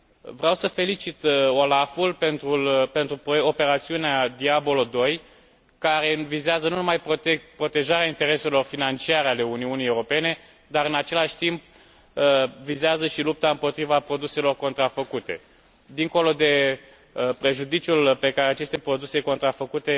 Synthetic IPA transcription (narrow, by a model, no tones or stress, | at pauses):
vɾeawsəfe̞lit͡ʃit̪o̞lafulpe̞nt̪ɾulpe̞nt̪ɾupope̞ɾat̪siunead̪iabo̞lod̪o̞j | kaɾe̞vizeazənunumajpɾo̞t̪e̞ʒaɾeaint̪e̞ɾe̞se̞lo̞rfinant͡ʃiaɾeale̞uniunijewɾo̞pe̞ne̞ | d̪aɾɨnat͡ʃe̞laʃʲt̪imp̚ | vizeazəʃilup̚t̪aɨmpo̞t̪ɾivapɾo̞d̪use̞lo̞rko̞nt̪ɾafəkut̪e̞ | d̪iŋko̞lo̞d̪e̞ | pɾe̞ʒud̪it͡ʃulpe̞kaɾeat͡ʃe̞st̪e̞pɾo̞d̪use̞ko̞nt̪ɾafəkut̪e̞